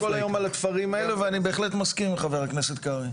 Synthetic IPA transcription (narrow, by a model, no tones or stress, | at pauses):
ko̞lajo̞malat̪faʁimaeleveanibe̞ːχle̞t̪maskimmχave̞ʁaknese̞t̪kaʁi